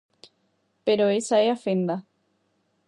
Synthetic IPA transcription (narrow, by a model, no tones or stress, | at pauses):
peɾoesaeafend̪a